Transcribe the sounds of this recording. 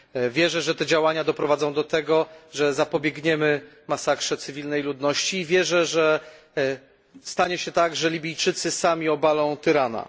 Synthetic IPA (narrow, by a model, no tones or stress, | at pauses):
vʲjɛʐɛʐɛt̪ɛd͡ʑawaɲad̪ɔpɾɔvad̪zɔ̃w̃d̪ɔt̪ɛɡɔʐɛzapɔbʲjɛɡɲɛmɘ | masakʂɛt̪sɘvʲilnɛjlud̪nɔɕt͡ɕiːvʲjɛʐɛʐɛ | st̪aɲɛɕɛt̪aɡʐɛlʲibʲijt͡ʂɘt̪sɘsamʲiɔbalɔ̃w̃t̪ɘɾana̰